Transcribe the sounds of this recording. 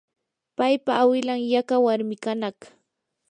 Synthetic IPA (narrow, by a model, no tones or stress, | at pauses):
pajpaːwɪlaŋjakawaɾmɪkanaχ